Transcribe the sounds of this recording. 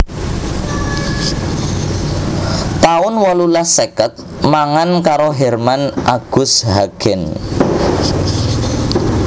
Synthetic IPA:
t̪aʊnwɔlulasekət̪̚ | maŋankaɾoɦɛrmanʔaɡ̥ʊ̤shaɡ̥ɛn

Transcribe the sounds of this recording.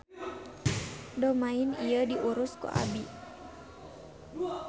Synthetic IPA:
domaɪniədiʔuɾʊskṵʔa̰bi

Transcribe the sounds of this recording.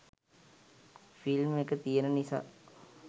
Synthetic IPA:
filmekət̪ijənənisa

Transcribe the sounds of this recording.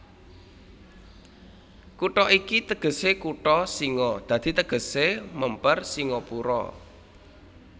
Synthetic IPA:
kuʈɔʔikit̪əɡ̥ə̤sekuʈɔsiŋɔd̪̥ä̤d̪̥i̤t̪əɡ̥ə̤seməmpərsiŋɔpuɾɔ̰

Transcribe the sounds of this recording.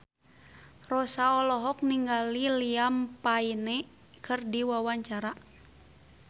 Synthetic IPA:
rɔsaɔlɔɦɔk̚niŋɡaliliampainɛ | kʰɨrdiwawaɲt͡ʃaɾa

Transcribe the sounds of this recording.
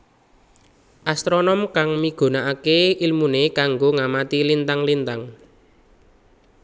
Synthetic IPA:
ʔast̪ɾɔnɔmkaŋmiɡ̥o̤naʔakeilmunekaŋɡoŋamat̪ilint̪aŋlint̪aŋ

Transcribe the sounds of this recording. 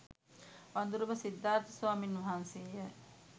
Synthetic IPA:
ʋand̪uɾubɐsid̪ːaːɾt̪ɐ̥swaːminʋɐɦansija

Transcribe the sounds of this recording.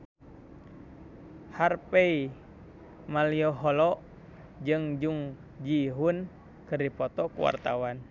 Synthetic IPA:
harpɛi | maliɔɦɔlɔʔ | d͡ʒɨŋd͡ʒuŋ | d͡ʒiɦun | kɨrdipɔt̪ɔkṵwa̰rt̪awan

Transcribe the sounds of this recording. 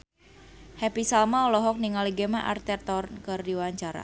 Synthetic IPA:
hɛpisalmaɔlɔɦɔk̚niŋaliɡemaʔa̰rt̪ɛrt̪ɔrkɨrdiwaɲt͡ʃaɾa̰

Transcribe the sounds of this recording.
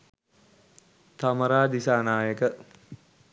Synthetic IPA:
t̪aməɾaːd̪isaːnaːjəkə

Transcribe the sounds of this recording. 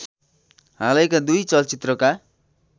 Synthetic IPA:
ɦalʌjkad̪ujt͡sʌlt͡sit̪rʌka

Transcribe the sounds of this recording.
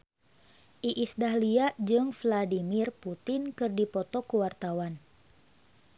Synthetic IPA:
ʔiʔisdahliad͡ʒɨŋfladimirput̪ɪnkɨrdipɔt̪ɔkuwart̪awan

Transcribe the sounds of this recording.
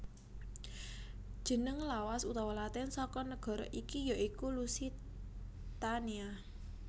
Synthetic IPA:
d̥ʒ̥ə̤nəŋlawasut̪awɔlat̪ɛnsɔkɔnəɡ̥ɔ̤ɾɔ̰ʔikijaʔikulusi | t̪ania

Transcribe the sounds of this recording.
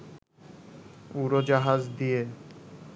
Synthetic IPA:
uɾod͡ʑaɦazd̪ije

